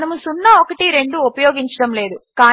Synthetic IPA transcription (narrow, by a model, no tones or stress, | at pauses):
nɐmusunːɐokɐʈiɾe̞ɳɖuopɐjoːɡiɲt͡ʃɐɽɐmle̞ːd̪ukaː